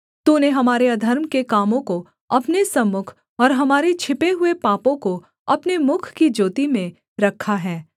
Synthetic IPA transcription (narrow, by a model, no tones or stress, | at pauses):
t̪uːneɦɐmaːɾeɐd̪ʱɐɾmkekaːmõko | ɐpnesɐmːʊkʰ | ɔːɾɦɐmaːɾet͡ʃʰɪpeɦʊepaːpõko | ɐpnemʊkʰkid͡ʒoːt̪imẽ | ɾɐkʰːaɦɛː